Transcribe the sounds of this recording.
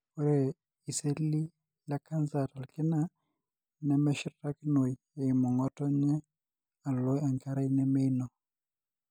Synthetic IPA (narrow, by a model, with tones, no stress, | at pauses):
ɛ˦ɾɛ˨ | i˨se˦li˦ | la˦ka˦nza˨ta˨lkɪ˦na˦ | nɛ˨mɛ˦ʃɪ˦ɾa˦kno˨j | e˨i˨mɔ˨ŋɔ˦tɔ˦ɲɛ˦ | a˨lo˦a˨ŋka˦ɾa˦i˦nɛ˦me˦inɔ˨